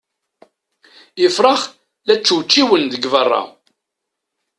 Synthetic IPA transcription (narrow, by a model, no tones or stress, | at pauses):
əfɾˤɑχ | læt͡sːwt͡ʃːiwənðəɡvərˤːɑ̰